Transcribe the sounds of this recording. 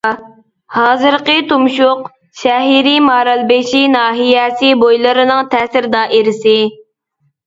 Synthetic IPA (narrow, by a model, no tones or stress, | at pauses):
hɑːzɨɾqət̪umʃʊq | ʃɛɦiɾimɑːɾɑlˠbeʃinɑːɦijɛsɪbojlˠɨɾɨnɨŋt̪ʰɛːsɪɾd̪ɑːʔeɾɪsɪ